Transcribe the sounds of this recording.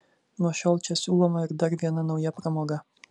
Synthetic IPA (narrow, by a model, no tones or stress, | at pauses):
nuɔʃɔlˠt͡ʃɛsuɔmaɪɾd̪aɾvʲiɛnanawjapɾamɔɡa